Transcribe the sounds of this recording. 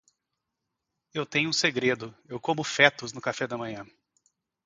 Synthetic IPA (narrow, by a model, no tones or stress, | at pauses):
ewt̪ẽɲʊũseɡɾed̪ʊewkõmʊfɛt̪ʊznʊkafɛd̪ɐmɐ̃ɲɐ̃